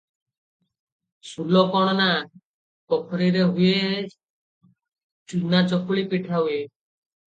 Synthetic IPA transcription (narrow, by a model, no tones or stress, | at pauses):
sulɔkɔɽ̃ɔna | kɔkʰɔɾiɾeɦue | t͡ʃunat͡ʃɔkuɭipiʈʰaue